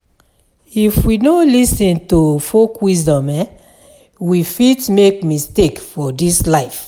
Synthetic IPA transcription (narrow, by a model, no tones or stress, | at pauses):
ifwinolisĩntufokwisdɔ̃mɛ | wifitmekmistekfɔdislaɪf